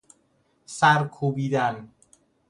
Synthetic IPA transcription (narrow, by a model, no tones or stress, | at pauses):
sæɾkʰubid̪æn